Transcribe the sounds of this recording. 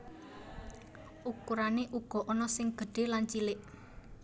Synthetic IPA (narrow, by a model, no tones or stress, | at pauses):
ʔukuɾaneʔuɡ̥ɔ̤ʔɔnɔsɪŋɡ̥ə̤ɖ̥e̤lant͡ʃilɪʔ